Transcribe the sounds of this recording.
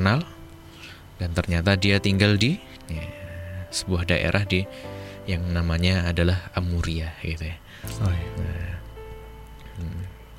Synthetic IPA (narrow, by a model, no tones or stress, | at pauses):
nal | dant̪ərɲat̪adiat̪iŋɡaldi | a | sə̥buahdaʔḛɾʔahdijaŋnamaɲaːdalahamuɾiaɡit̪uja